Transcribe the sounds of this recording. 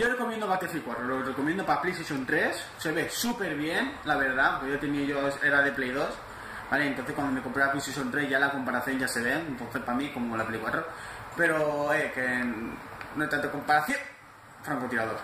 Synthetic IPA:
ɟ͡ʝore̞ko̞mjend̪oβat̪eflikwat̪ɾolorekomjend̪opaplejst̪eʃjõ̞nt̪ɾe̞sːe̞βe̞supe̞ɾβje̞nlaβ̞e̞ɾðaawŋkeʝot̪e̞nieʝoe̞ɾaðe̞plejðo̞s | baleent̪onθe̞skwand̪ome̞ko̞mpɾeaplest̪eʃont̪ɾe̞zʝalako̞mpaɾaθjo̞nʝase̞βe̞ŋent̪onθespamiko̞molaplikwat̪ɾope̞ɾo̞ekennoajt̪ant̪eko̞mpaɾaθjon | fɾaŋkot̪iɾaðoɾ

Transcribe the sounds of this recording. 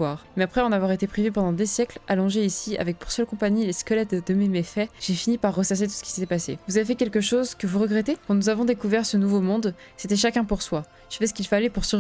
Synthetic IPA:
waːʁmɛapχɛɑ̃navwaʁet̪epχivepɑ̃d̪ɑ̃d̪esjɛklalɔ̃ʒeisia̰vɛk̚puʁsœlkɔ̃paɲileskəlɛt̪d̪əmemefɛʒ̥efinipaʁːəsas̬et̪u̥sə̥kʲi̥set̪ɛpasḛvuzavefɛkʲɛlkəʃozkəvuʁəɡʁɛt̪ekɑ̃nuzavɔ̃d̪ekuvɛʁsənuvomɔ̃d̪ | set̪ɛʃakʲɛ̃puʁswa | ʒ̥əfɛsə̥kilfalɛpuʁsyʁ

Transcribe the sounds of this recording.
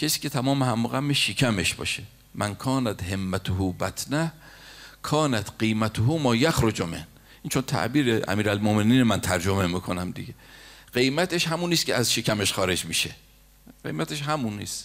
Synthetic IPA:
cʰesiːkʲʰe̞t̪ʰæmɒːmehæmːoɣæmːeʃikʰæme̞ʃb̥ɒ̰ːʃe | mʔænkʰɒːnæt̪he̞mːæt̪ʰohuːbæt̪ʰnæhkʰɒːnæt̪ɢijmæt̪ʰoɦumɒːjæxɾod͡ʒomen | iːnt͡ʃʰont̪ʰæ̰ʔbiːɾeʔæ̰miːɾælmomeniːnemænt̪ʰæɾd͡ʒome̞miːkʰo̞næmd̪ḭɡeɢ̥ejmæt̪ʰeʃɦæmuːniːst̪kʰʲcʰeæzʃikʰæme̞ʃxɒːɾe̞d͡ʒmiːʃe̞ | ɢḛjmæt̪ʰe̞ʃɦæmunḭːs

